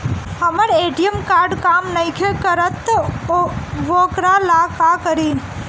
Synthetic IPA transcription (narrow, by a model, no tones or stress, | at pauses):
həməɾeːʈijəmkaːɾɖkaːmnəɪkʰekəɾət̪ː | ʋoːkɾalakakəɾin